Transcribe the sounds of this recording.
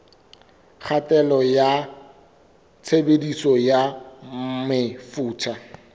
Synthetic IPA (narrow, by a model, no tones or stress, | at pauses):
k͡xʰatɛlɔja | t͡sʰebedisɔja | mɪfuːt͡ʃʰa